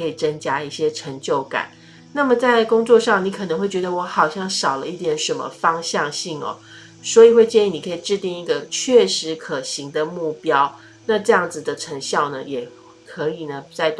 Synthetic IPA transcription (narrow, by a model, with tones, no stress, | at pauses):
ɤ˧˥i˨˩t͡sə˥ŋt͡ɕja˥i˥˩ɕjɛ˥ʈ͡ʂʰə˧˥ŋt͡ɕjo˥˩ʊka̰˨˩˦n | na˥˩mə˨˩t͡sa˥˩ɪkʊ˥ŋt͡swɔ˥˧ʂɑ˥˩ŋni˧˥kʰɤ˨˩ə˧˥ŋxwe˥˩ɪt͡ɕɥɛ˧˥d̪ə˧wɔ˧˥xɑ˨˩ʊɕjɑ˥˩ŋʂɑ˨˩ʊlə˦i˥˩t̪jɛ˨˥nʂə˧˥nmə̰˧fɑ˥ŋɕjɑ˥˧ŋɕi˥˩ŋɔ̰˩ | swɔ˧˥i˨˩xwe˥˧ɪt͡ɕjɛ˥˧ni˥˩ni˨˩kʰɤ˧˥i˨˩ʈ͡ʂɻ̩˥˧t̪i˥˧ŋi˥˩ɡə˨˩t͡ɕʰɥɛ˥˩ʂɻ̩˧˥kʰɤ˨˩ɕi˧˥ŋd̪ə˧mu˥˩pjɑ˥ʊ | na˥˧ʈ͡ʂɤ˥˧jɑ˥˩ŋd͡z̩˨d̪ə˩ʈ͡ʂʰə˧˥ŋɕjɑ˥˩ʊnə˩jɛ˨˩ | kʰɤ˧˥i˨˩nə˩t͡sa˥˧ɪt